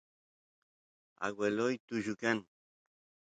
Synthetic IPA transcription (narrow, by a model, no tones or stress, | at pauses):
a̰ɣwelojt̪uʒʊkan